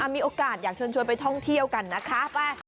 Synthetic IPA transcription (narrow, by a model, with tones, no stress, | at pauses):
aː˧miː˧ʔoː˧kaː˨˩t̪̚jaː˨˩k̚t͡ɕʰəː˧nt͡ɕʰu˧jp̬a˧jt̪ʰɔ˥˩ŋt̪ʰi˧˥əwka˨˩nːa˦˥kʰaː˦˥paː˧˩